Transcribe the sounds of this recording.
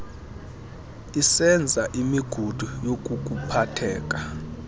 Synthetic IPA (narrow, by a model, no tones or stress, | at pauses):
isɛnd͡zʱaʔimiɡ̥ʱud̥ʱujok̬ʼuk̬ʼupʰatʰɛ̰ːk̬ʼa